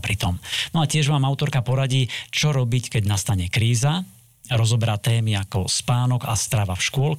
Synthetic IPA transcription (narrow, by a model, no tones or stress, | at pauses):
pɾit̪ɔmnɔacɪɛʒmaːmaʊt̪ɔɾkapɔɾaɟiːt͡ʃɔɾɔbickɛɟnast̪aɲɛkɾiːza | ɾɔzɔbɛɾat̪ɛːmiakɔspaːnɔɡa̰st̪ɾaʋafʃkʊɔl